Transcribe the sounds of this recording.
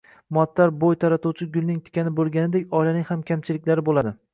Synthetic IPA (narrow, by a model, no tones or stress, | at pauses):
mɒt̪ʰːaɾbojt̪ʰaɾat̪uwt͡ʃʰɪɡʲʊlnɪŋt̪ʰɪ̥kʲanɪbolˠɡʲanɪd̪ekʲɒjlanɪŋhamkʲʰamt͡ʃʰɪlɪkʲlaɾɪbolˠad̪ɪ